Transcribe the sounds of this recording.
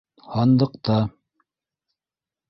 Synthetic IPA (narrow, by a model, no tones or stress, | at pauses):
hɑnd̪ɤ̆qt̪ɑ